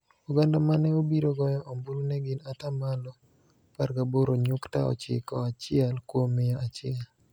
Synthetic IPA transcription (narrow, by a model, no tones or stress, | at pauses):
uɡandamanɛobiɾoɡɔjɔʔɔmbulunɛɡɪnatamalɔ | parɡaboɾoɲʊktaɔ̰t͡ʃɪ̰kɔat͡ʃɪɛlkwomɪjaat͡ʃɪɛl